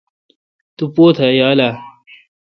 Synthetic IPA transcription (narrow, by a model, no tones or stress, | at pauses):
t̪upoːt̪ʰajaːla